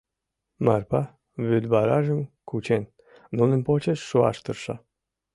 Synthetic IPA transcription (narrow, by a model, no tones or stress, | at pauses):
mɑrpɑ | βyd̪βɑɾɑʒə̆mkut͡ɕen | nunə̆npot͡ɕeʃːuɑ̰ʃt̪ərʃɑ